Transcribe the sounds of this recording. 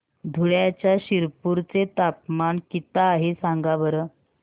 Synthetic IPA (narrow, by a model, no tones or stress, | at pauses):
d̪ʱuɭjat͡ɕjaɕiɾpuɾt͡set̪apmaɳkit̪aːɦesãŋɡabəɾə